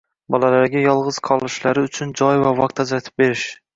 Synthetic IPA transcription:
bɒlalaɾɡʲajɒlˠʁɨz̥qʰɒlˠɪʃlaɾɪʊt͡ʃʰʊnd͡ʒɒjvavɒq̚t̪ʰad͡ʒɾat̪ʰɪ̥p̚be̞ɾɪʃ

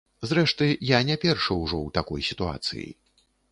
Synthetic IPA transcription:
zɾɛʂt̪ɨjanʲapʲɛrʂɐwʐɔwt̪akɔjsʲit̪ua̰t̪sɨ̰jḭ

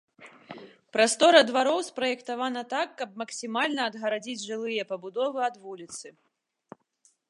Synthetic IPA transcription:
pɾast̪ɔɾɐd̪vaɾɔwspɾɐjɛkt̪avanɐt̪akːɐb̚mɐksʲimalʲnɐːd̪ɣɐɾad͡zʲid͡zʲʐɨlˠɨjɐpɐbud̪ɔvɨɐd̪vulʲit̪sɨ

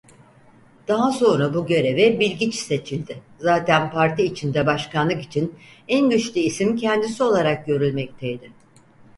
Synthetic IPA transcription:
d̪̥aɦaso̞nɾabuɟø̞ɾe̞vɛbilʲɟit͡ʃse̞t͡ʃʰilʲd̪ɪ | zaːt̪ʰænpaɾt̪iːt͡ʃʰind̪ɛbaʃkʰanlˠɯki̥t͡ʃʰin | ænɟyt͡ʃlʲyisimcʰɛnd̪isio̞lˠaɾak̚ɟø̞ɾylʲmɛc̚t̪ʰejd̪ɪ

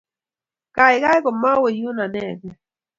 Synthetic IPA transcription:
kɑjɢɑjɢomawɪjʊnaneke

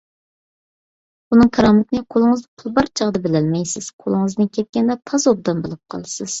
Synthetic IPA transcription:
bunɨŋkʰɑɾɑmɪt̪nɪqʰolˠɨŋɨzd̪ɨpʰʊlˠbɑɾt͡ʃʰɑʁd̪ɨbɪlɛlmɛjsɪz̥qʰolˠɨŋɨzd̪ɨnkʲʰɛt̪̚kʲɛnd̪ɛt̪ʰɑzob̚d̪ɑmbɨlˠɨp̚qʰɑ̰lˠsɨz̥

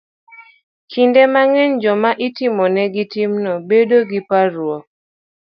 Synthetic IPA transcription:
kʰindɛmaŋɛnd͡ʒɔmaʔitimɔnɛɡitimnɔbedoɡipaɾwɔ

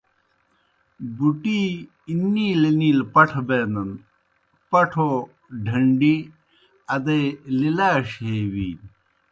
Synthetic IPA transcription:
buʈi | inːiːlɐniːlpɐʈʰbeːnɐn | pɐʈʰo | ɖʱɐɳɖi | ɐd̪ɐlilaːɕɦeːwiːn

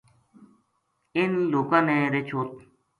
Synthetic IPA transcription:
ɪnloːkãːneːɾeːt͡ʃʰoːt̪

